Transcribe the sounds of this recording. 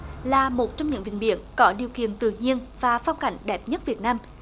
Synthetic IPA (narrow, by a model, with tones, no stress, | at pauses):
laː˨˩mo˨˩t̚t͡ɕɔ˧wŋ͡mɲɨ̰˧˥ŋvï˨˩ŋ̟ɓḭ˧˨ənkɔ˨˦ɗi˨˩əwkḭ˧˨ənt̪ɨ̰˧˨ɲi˧ənv̥aː˨˩fɔ˧wŋ͡mka˧˩jŋ̟ɗɛ˨˩p̚ɲə˦˥t̚vi˨˩ət̚naː˧m